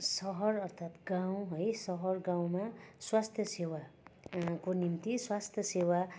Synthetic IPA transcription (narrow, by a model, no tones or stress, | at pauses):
sʌɦʌrʌrt̪ʰat̪ɡãw̃ɦʌjsʌɦʌrɡãw̃maswast̪ʰjʌsewa | konimt̪iswast̪ʰjʌsewa